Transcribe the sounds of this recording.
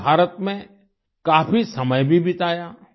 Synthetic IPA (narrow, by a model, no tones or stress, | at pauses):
aːɾət̪mẽ | kaːfisɐməjbʱibʱɪt̪aːjaː